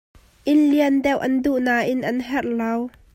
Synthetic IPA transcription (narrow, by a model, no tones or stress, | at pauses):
ʔɪlliəndɛwʔɐnduʔnaːʔɪnʔɐnɦɛrlɐw